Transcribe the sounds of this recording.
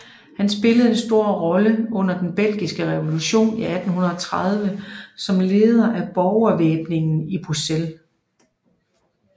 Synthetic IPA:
hænsb̥e̝ləð̞̩ˠe̝nsd̥o̝ɐ̰ʁɒ̽ləɔ̽n̰ɐd̥enb̥el̰ɡ̥isɡ̥əʁɛʋo̝luɕo̝̰ːniæd̥n̩ɦunɐɒt͡sʰʁɑð̞ˠʋəsɒ̽mle̝ːð̞ˠɐʔæb̥ɒʊɐʋeːb̥ne̝ŋn̩ib̥ʁusel

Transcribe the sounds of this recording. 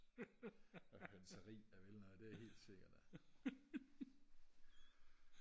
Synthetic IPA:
ɒhønsəʁḭːæʋelnɔð̩ˠd̥e̝æhe̝̰ːld̥se̝ɡ̥ɐd̥æ

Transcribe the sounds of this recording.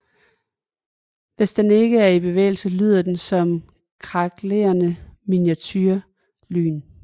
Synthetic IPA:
ʋe̝sd̥ene̝ɡ̥əæɐib̥e̝ʋḛːɪl̩səly̰ð̞ˠɐd̥ensɒ̽m | kʰʁɑɡ̥lḛːɐnəminiæt͡sʰyɐ | ly̰ːn

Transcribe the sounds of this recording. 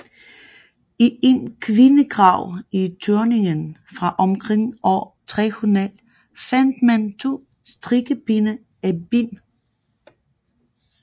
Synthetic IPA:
iʔe̝nkʰʋinəɡ̥ʁɑ̈ʊ̰it͡sʰøɐne̝ŋənfʁɑ̈ʔɒ̽mkʰʁeŋ̰ɒt͡sʰʁihunɛl | fæn̰d̥mænt͡sʰo̝̰ː | sd̥ʁiɡ̥əb̥inə | æb̥in

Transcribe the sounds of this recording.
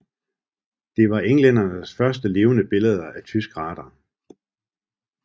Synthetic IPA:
d̥e̝ʋɑ̈ʔeŋlen̰ɐnəsfɶɐsd̥əle̝ːʊnəb̥e̝ləð̞ˠɐæt͡sʰysɡ̥ʁɑ̈ːd̥ɐ

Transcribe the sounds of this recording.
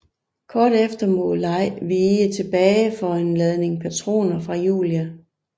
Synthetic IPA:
kʰɒːɾ̥efd̥ɐmɔ̽lɑ̈ɪ̰ʋiːət͡sʰe̝b̥ɛːɪfɒ̽e̝nlɛð̞ˠne̝ŋpʰæt͡sʰʁo̝̰ːnɐfʁɑ̈jṵːljæ

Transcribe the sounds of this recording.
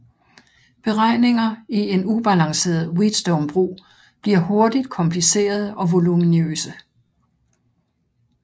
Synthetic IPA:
b̥e̝ʁɑ̈ɪ̰ne̝ŋɐie̝nub̥ælɑ̈ŋse̝̰ːɐð̩ˠwid̥sd̥ɔʊmb̥ʁṵː | b̥liɐ̰ho̝ɐd̥id̥̚kʰɒ̽mpʰlise̝̰ːɐð̞̩ˠɒ̽ʋo̝luminø̰ːsə

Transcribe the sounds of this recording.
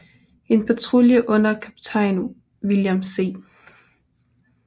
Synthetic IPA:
e̝npʰɑt͡sʰʁuljəʔɔ̽n̰ɐkʰæpi̥t͡sʰɑɪnu | ʋiljamse̝̰ː

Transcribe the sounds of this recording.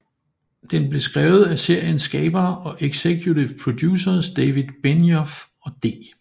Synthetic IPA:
d̥enb̥le̝sɡ̥ʁɛːʊð̞̩ˠæse̝ɐ̰jənsɡ̥ɛ̰ːb̥ɐːɒ̽ʔeɡ̥sekʰjut͡siʊpʰʁo̝d̥jṵːsɐsd̥ɛːʋiðˠb̥enjɒf | ɒ̽d̥e̝̰ː

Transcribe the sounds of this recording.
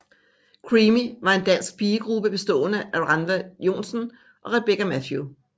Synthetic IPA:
kʰʁimiʋɑ̈e̝nd̥æn̰sɡ̥̚b̥iːəɡ̥ʁub̥əb̥e̝sd̥ɔ̰̽ːnəʔæʁɑnʋæjo̝̰nsən | ʔɒ̽ʁeb̥eɡæmæfju

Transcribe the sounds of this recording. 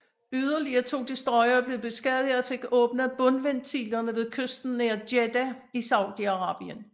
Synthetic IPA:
yð̞ˠɐliɐt͡sʰo̝̰ːd̥isd̥ʁɒ̽ɪɐːb̥le̝ð̩ˠb̥e̝sɡ̥ɛðˠiɒfe̝ɡ̥ɔ̽ːb̥nəæb̥ɔ̽nʋent͡sʰḭːlɐnəʋe̝ðˠkʰøsd̥n̩neɐd̥ed̥æ | isɑ̈ʊ̰d̥iɑ̈ʁɑ̈ːb̥iən

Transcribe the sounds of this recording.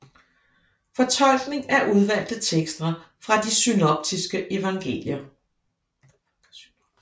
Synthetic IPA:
fɒ̽t͡sʰɒ̽l̰ɡ̥ne̝ŋæɐʔuð̞ˠʋæl̰d̥ð̩t͡sʰeɡ̥sd̥ʁɐ | fʁɑ̈d̥isynɒb̥̚d̥isɡ̥əʔe̝ʋɑ̈ŋɡ̥e̝̰ːljɐ

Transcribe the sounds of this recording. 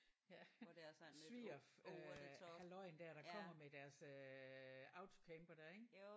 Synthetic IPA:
sʋiɒføhælɒ̽ɪ̰nd̥æɐɾ̥ɑ̈kʰɒ̽m̰ɐmed̥æɐsø | ɑ̈ʊt͡sʰo̝kʰemb̥ɐd̥æɐ̰eɡ̥

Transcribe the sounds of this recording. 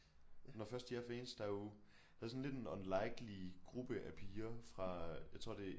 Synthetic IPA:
nɒfɶɐsd̥jæfḛːnsd̥ɑ̈jo | d̥ɑ̈ɐsɔ̽n̩led̥e̝nɒnlɑ̈ɪɡ̥liɡ̥ʁub̥əʔæpʰiːɐfʁɑ̈jɑ̈ɪt͡sʰʁo̝ɐ̰d̥e̝

